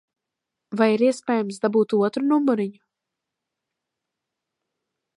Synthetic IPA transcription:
vajiɾiɛspʲeːjamsd̪abuːt̪uɔt̪ɾunumːuɾiɲu

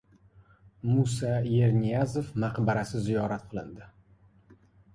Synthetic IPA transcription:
musaje̞ɾnijaze̞fmaqbaɾasɪzijɒɾat̪̚qʰɨlˠɪ̰nd̪ɪ

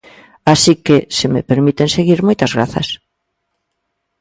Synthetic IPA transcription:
asikesemepeɾmit̪enseɣiɾmojt̪ɐzɣɾa̰θɐ̰s

